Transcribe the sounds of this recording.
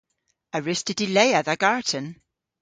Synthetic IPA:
əɹɪstədɪleɪəðəɡ̥aɹdən

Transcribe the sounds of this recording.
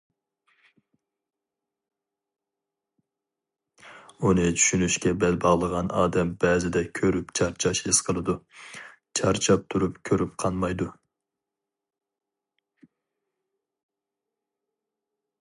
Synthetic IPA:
unɨt͡ʃʰy̥ʃynyʃkʲɛbɛlbɑʁlˠəʁɑnɑ̰ːd̪ɛmbɛːzɪd̪ɛkʲʰøɾypt͡ʃʰɑɾt͡ʃʰɑʃesqʰəlˠɨd̪u | t͡ʃʰɑɾt͡ʃʰɑp̚t̪ʰuɾupkʲʰøɾyp̚qʰɑnmɑjd̪u

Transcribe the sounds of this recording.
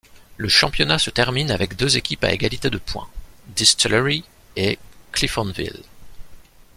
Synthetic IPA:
ləʃɑ̃pjɔnasət̪ɛʁminavɛkd̪øzekʲipa̰eɡalit̪ed̪əpʰwɛ̰̃d̪ist̪ilʁi | eklifɑ̃nvḭl

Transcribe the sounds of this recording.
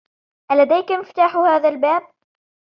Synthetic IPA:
ʔalad̪ajkamɪft̪aːħhaːðalbaːb̚

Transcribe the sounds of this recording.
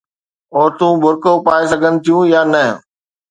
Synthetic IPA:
oːɾt̪ũːbʱʊɾkoːpaːɪsəɡʱənɪ̆t̪ʰijũːjaːnəɦ

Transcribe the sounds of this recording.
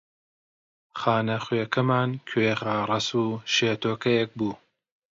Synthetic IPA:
χaːnɐχweːkʰɐmaːnkʰweɣaːrˤɐsuːʃeːt̪ʰoːkɐjek̚buː

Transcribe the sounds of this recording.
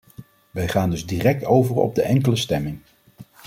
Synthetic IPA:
ʋɛjχaːndɵzdiːrɛk̚towvərɔ̰b̚dəʔɛŋkələstɛmɪŋ

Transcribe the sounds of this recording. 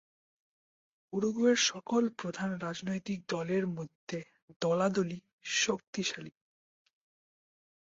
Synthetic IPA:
uɾuɡueɾʃɔkolpɾod̪ʱanɾad͡ʑnojt̪ik̚d̪ɔleɾmod̪ʱːe | d̪̥ɔlad̪oli | ʃok̚t̪iʃali

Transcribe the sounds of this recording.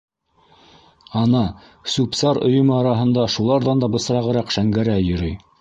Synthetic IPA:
ɑnɑ | sʉpsɑɾŏ̰jŏmɤɑɾɑɦɤ̆nd̪ɑʃulˠɑɾðɑnd̪ɑbɤ̆sɤ̆ɾɑʁɤ̆ɾɑqʃæŋɡæɾæjɵ̆ɾɵj

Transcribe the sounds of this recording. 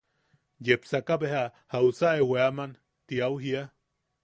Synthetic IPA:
jepsakabehahausaʔeweaman | t̪iawɦia

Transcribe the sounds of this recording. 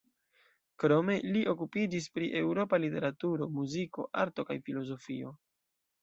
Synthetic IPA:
kɾo̞me̞liʔo̞kupid͡ʒis̬pɾiʔe̞wɾo̞palite̞̰ɾatuɾo̞muziko̞̰ʔaɾto̞kajfilo̞zo̞fio̞

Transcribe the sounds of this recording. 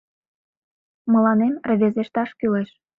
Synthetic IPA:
mə̆lɑnemrə̆βʲezeʃt̪ɑʃkyleʃ

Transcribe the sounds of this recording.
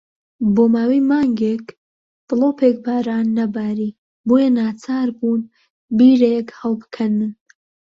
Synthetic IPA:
boːmaːwijmaːŋɡek | b̪̥ɨloːpʰeːk̚baːɾaːnːɐbaːɾiː | bojɛnaːt͡sʰaːɾbuːn | biːɾekhɐlˠbɨkʰɐnɨn

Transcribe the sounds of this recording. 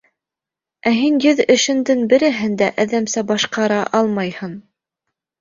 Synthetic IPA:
æɦinjɘðɘ̆ʃɘ̆nd̪ɘnbɘ̆ɾɘ̆ɦɘnd̪æʔæðæmsæbɑʃqɑɾɑʔɑlˠmɑjhɤn

